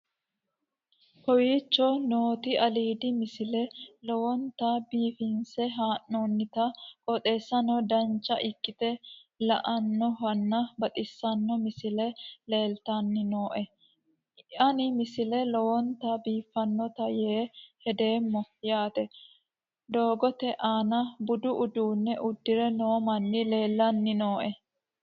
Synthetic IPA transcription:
kɔwiːt͡ʃːɔnoːt̪ɪʔɐliːd̪ɪmɪsɪlɛlɔwɔnt̪ɐbiːfɪnsɛɦaːnːonːɪt̪ɐkʼɔt̪ʼe̞ːsːɐnɔd̪ɐnt͡ʃːɐʔɪkːɪt̪ɛlɐ̰ʔɐnːɔɦɐnːɐbɐt̪ʼɪsːɐnːɔmɪsɪlɛle̞ːlt̪ɐnːɪno̞ːʔɛ | ɐnɪmɪsɪlɛlɔwɔnt̪ɐbiːfːɐnːɔt̪ɐjeːhɛd̪e̞ːmːɔjaːt̪ɛ | d̪o̞ːɡɔt̪ɛʔaːnɐbʊd̪ʊʔʊd̪uːnːɛʔʊd̪ːɪɾɛnoːmɐnːɪle̞ːlːɐnːɪno̞ːʔɛ

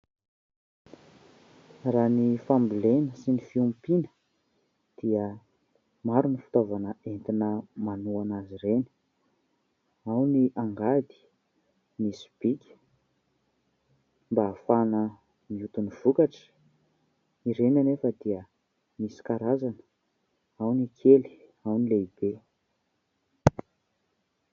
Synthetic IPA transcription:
ranifambilenəsinifiumpinə̥ | d̪̥iə | maɾunifi̥t̪ovanəent̪inəmanuanaziɾeni̥ | awniʔaŋɡad̪i̥ | misi̥b̥ikʲə̥ | mbaːfanə | miut̪univ̥ukaʈ͡ʂə̥ | iɾenanefəd̪iə | misi̥kaɾazanə̥ | awnikʰeli̥ | awnileib̥e

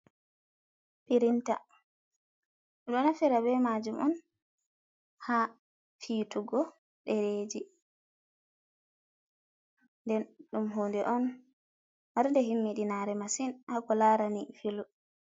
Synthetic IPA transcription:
piɾinta̰ | ɗɔnafiɾabɛmad͡ʒumʔɔ̰n | ha | fiːtuɡɔ | ɗeɾeːd͡ʒi | ndɛnɗumɦoːndɛʔɔn | maɾndɛɦimːiɗinaɾɛmasinhakɔlaːɾanifilu

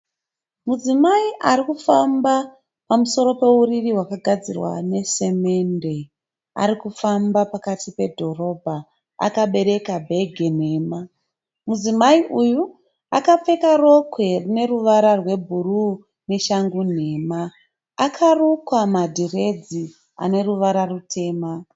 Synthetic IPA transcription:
mud͡zimaiʔaɾikufamba | pamuso̞ɾo̞pe̞uririɦwakaɡʱad͡zirwa̰ne̞se̞me̞nde̞ | a̰ɾikufambapakatipe̞dʱo̞ro̞bʱa | a̰kaɓe̞ɾe̞kabʱe̞ɡʱe̞ne̞ːma | muzimaiʔuju | a̰kap͡fe̞karo̞kwe̞rine̞ruʋaɾarwe̞bʱuru | ne̞ʃaŋɡun̤e̞ːma | akʰarukwamadʱire̞d͡zi | a̰ne̞ruʋaɾarutʰe̞ːma

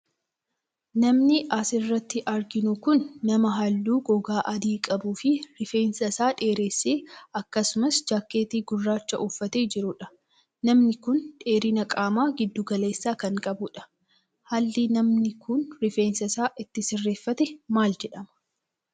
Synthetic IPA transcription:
nɐmnɪʔɐsɪrːɐt̪ːɪʔɐɾɡɪnʊkʊnːɐmɐɦɐlːuːɡɔɡaːʔɐd̪iːkʼɐbuːfɪɾɪfe̞ːnsɐsaːᶑe̞ːɾe̞ːsːeːɐkːɐsʊmɐsd͡ʒaːkːeːt̪iːɡʊrːaːt͡ʃːɐʔʊfːɐt̪eːd͡ʒɪɾʊᶑɐ̥ | nɐmnɪkʊnᶑe̞ːɾɪnɐkʼaːmaːɡɪd̪ːʊɡɐle̞ːsːaːkɐŋkʼɐbʊᶑɐ̥ | hɐlːinɐmnɪkʰʊnɾɪfeːnsɐsaːʔɪt̪ːɪsɪrːeːfːɐt̪ɛmaːld͡ʒɛᶑɐmɐ̥

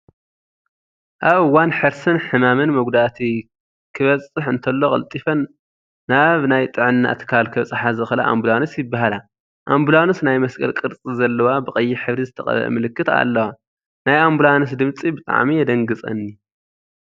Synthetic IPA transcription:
ʔaβɨwːanħɨɾsɨnħɨmamɨnmɐɡd̪at̪ʰi | kʰɨβɐt͡sʼɨħɨnt̪ʰɐlːokʼɐ̰lt̪ʼifɐnː | aβnajt̪ʼɨʕɨnːa̰t̪ʰɨ̥kʰalkʰɨβt͡sʼɨħazɨxɨla̰ʔa̰mbulanosjɪbːaɦala | ʔambulanusnajmɐskʼɐ̰lkʼɨɾt͡sʼizɐlːɐwabɨxʼɐjːɪħɨβɾizɨt̪ʰɐχʼɐ̰β̰ɐ̰mɨlɨkːɨt̪a̰lːɐwa | najambulanɨs̬d̪ɨmt͡sʼibɨt̪ʼa̰ʕmijɛd̪ɐŋɡɨt͡sʼɐ̰nːi

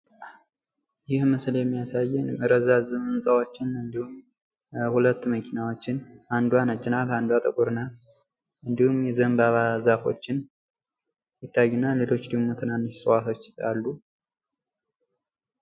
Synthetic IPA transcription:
jɪhmɨsljɛmːijasajːɪnɨɾəzazɨmɨnsʼawo̞t͡ʃːɪnɨnd̪ihum | hulət̪ːməkʰinawo̞t͡ʃːɪnʔand̪uwanət͡ʃʼːɪnaland̪uat̪ʼəkʼuɾɨnal | ʔɨnd̪ihumjɛzəmbaβazafo̞̰t͡ʃːɪn | jɪt̪ʰːajːunːale̞lo̞t͡ʃːd̪əɡmo̞t̪ʰɨnanːɨʃsʼwat̪ʰo̞t͡ʃːalːu

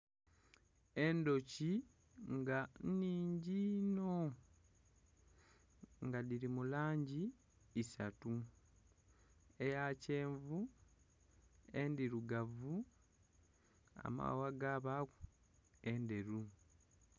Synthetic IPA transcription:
e̞ndo̞ci | ŋɡanniːɲɟino̞ | ŋɡadiɾimulaːɲɟiː | satu | e̞jaceːɱvu | e̞ndiɾuɡavu | a̰ma̰waɡaβaku | e̞nde̞ɾu

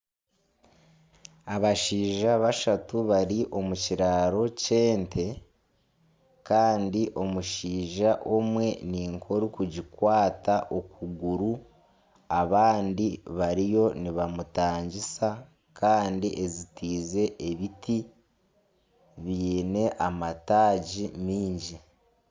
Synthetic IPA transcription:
aβaʃiːʒaβaʃatuβaɾiʔo̞muciɾaɾo̞ce̞ːntʰe̞ | kaːndiʔo̞muʃiːʒaʔomwe̞niːŋkʰo̞ɾukuɟikwaːtaʔo̞kuɡuɾu | aβaːndiβaɾijo̞niβamutaːɲɟisa | kʰaːndiʔe̞zitiːze̞ʔeβitʰi | βiːne̞ʔamataːɟimiːɲɟi

